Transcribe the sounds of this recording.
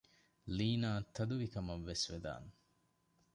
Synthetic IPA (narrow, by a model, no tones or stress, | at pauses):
liːnaːt̪ʰːɐd̪uʋikɐmɐʋːesʋed̪a̰ːn